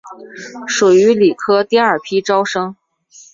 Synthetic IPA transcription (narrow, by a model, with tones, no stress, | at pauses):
ʂu˨˩y˧˥li˨˩kʰɤ˥t̪i˥˧ə˞˨˩pʰi˥ʈ͡ʂɑ˥ʊʂɤ˥ŋ